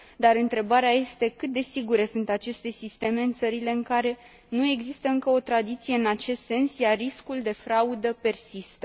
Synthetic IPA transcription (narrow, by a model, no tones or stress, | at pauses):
d̪aɾɨnt̪ɾe̞baɾeaje̞st̪e̞kɨt̪̚d̪e̞siɡuɾesunt̪at͡ʃe̞st̪e̞sist̪e̞me̞ɨnt̪səɾile̞ɨŋkaɾe̞ | nue̞ɡzist̪əɨŋkəo̞t̪ɾad̪it̪sije̞ɨnat͡ʃe̞st̪se̞nsjariskuld̪e̞fɾaud̪əpe̞rsist̪ə